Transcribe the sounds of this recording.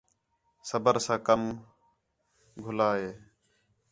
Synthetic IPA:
səbəɾsãːkəm | ɡʱʊlaːɦeː

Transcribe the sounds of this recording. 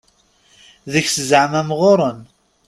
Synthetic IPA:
ðəçsəzʕmæmʁoɾˤən

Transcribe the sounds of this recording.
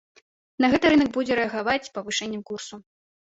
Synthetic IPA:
nɐɣɛt̪ɨɾɨnɐkbud͡zʲɛɾɛɐɣavat͡sʲpɐvɨʂɛnʲːɐmkursu

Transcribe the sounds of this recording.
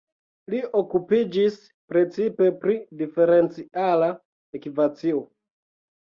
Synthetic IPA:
lio̞kupid͡ʒis | pɾe̞t͡sipe̞pɾidife̞ɾe̞nt͡siʔala | ekivat͡sio̞

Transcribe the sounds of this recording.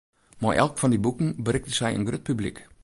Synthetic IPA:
ma̰ɹʔɛ̰lˠkfɔndibukən̩bərɪktəsɛjə̰nɡrøt̚pyblik

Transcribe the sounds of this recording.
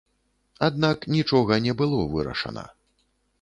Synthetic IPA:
ad̪naknʲit͡ʂɔɣɐnʲɛbɨlˠɔvɨɾɐ̰ʂɐ̰nɐ̰

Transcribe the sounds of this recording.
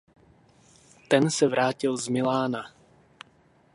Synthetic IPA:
t̪ɛnsɛvɾʔaːcɪlzmɪlaːna

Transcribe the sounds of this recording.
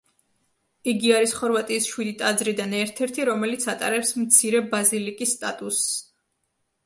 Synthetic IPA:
iɡiaɾisχɔɾvat̪ʼiːsʃwid̪it̪ʼad̪zɾid̪anɛɾt̪ʰɛɾt̪ʰiɾɔmɛlit̪sʰat̪ʼa̰ɾɛpsmt̪sʰiɾɛbazilikʼisːt̪ʼat̪ʼus

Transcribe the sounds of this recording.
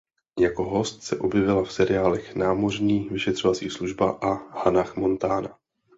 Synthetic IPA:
jako̞ɦo̞st̪sɛʔo̞bjɛvɪlafsɛɾɪjaːlɛxnaːmo̞r̝ɲiːvɪʃɛt̪r̝̥o̞vat͡sḭːsluʒbaʔahanaxmo̞nt̪aːna

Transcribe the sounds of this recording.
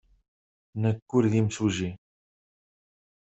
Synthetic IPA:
nəkːuɾðimsuʒi

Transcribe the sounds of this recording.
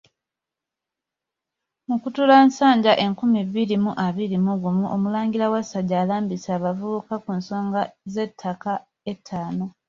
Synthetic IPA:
mukutulansaːɲɟaʔe̞ŋkumiβːiɾimuʔaβiɾimuɡumuʔomulaːŋɡilawasaɟaːlaːmbisaːβavuβukakunso̞ːŋɡaze̞tʰːaka | e̞tʰːaːno̞

